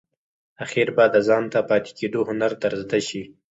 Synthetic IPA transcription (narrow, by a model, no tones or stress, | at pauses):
axiɾbɑd̪əzɑnt̪apɑt̪e̥kʰed̪ohʊnaɾd̪aɾzd̪aʃi